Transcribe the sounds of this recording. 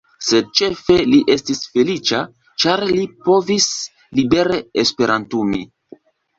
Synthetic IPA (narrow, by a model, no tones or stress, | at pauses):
se̞d̚t͡ʃe̞fe̞liʔe̞stisfe̞lit͡ʃa | t͡ʃaɾlipo̞vis | libe̞ɾeespe̞ɾantumi